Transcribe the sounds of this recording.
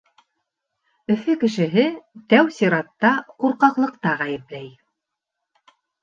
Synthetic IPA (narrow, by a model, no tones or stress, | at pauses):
ɵ̆fɵkɘ̆ʃɘ̆ɦɘt̪æwsʲiɾɑt̪ːɑquɾqɑqlˠɤ̆qt̪ɑʁæjɘ̆plæj